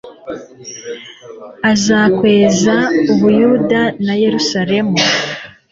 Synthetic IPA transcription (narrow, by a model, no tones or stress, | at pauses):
azakwe̞ːzauβujudanaje̞ɾusaɾe̞mu